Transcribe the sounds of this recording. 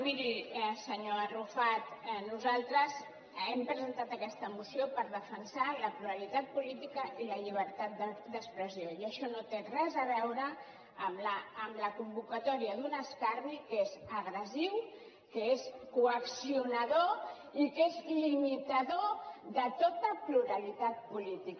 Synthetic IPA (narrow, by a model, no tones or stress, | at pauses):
βiðiɛsəɲoərufat̪nuzalˠt̪ɾəz | ɛmpɾəzənt̪at̪əkɛst̪əmusiopəɾðəfənsaləpɾuəɾit̪at̪̚pulit̪ikəiləʎiβ̞əɾt̪at̪̚d̪əd̪əkspɾəzioiəʃɔnot̪erɛzəβɛwɾəː | mləːmləkumbukət̪ɔɾiəðunəskaɾnikezəɣɾəziw | kəeskuəksiunəðo | ikezlimit̪əðoðət̪ot̪əpluɾəlit̪at̪̚pulit̪ik